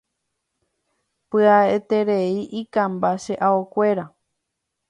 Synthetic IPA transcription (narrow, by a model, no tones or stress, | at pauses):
pɨaet̪e̞ɾeiʔikãmbaʃe̞ʔaokʷe̞ɾa